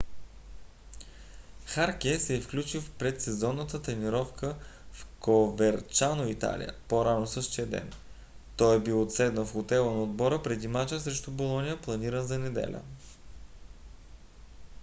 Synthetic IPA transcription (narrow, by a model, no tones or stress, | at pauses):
xaɾk̟ɛsɛfklʲut͡ʃilpɾɛt̪sɛzɔnːət̪ət̪ɾɛniɾɔfkʰəfkovɛɾt͡ʃanoit̪a̰lʲḭjə̰poɾanosɤʃt̪iəd̪ɛ̰n | t̪ɔjɛbilˠot̪sɛd̪nəfxot̪ɛlˠənɐod̪̚bɔɾəpɾɛd̪imat͡ʃəsɾɛʃt̪ubolˠɔnʲijəplˠɐniɾənzɐnɛd̪ɛ̰lʲʔə̰